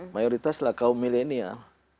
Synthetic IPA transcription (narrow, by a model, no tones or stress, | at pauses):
majɔɾit̪aslakaumilenia̰l